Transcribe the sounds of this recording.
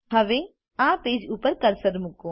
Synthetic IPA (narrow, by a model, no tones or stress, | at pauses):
ɦɐʋẽː | ãːpeːd͡ʒuːpəɾkɐɾsəɾmʊkõː